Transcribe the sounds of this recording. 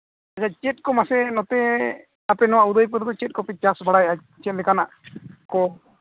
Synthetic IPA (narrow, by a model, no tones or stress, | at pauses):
aat͡ʃɛt̚ˀkɔmasɛnɔt̪ɛ | apɛnɔwaʔud̪əjp̬əɾd̪ɔt͡ʃɛt̚ˀkɔpit͡ʃasbʱaɽaja | t͡ʃɛt̪̚ˀlɛkanaʔkɔ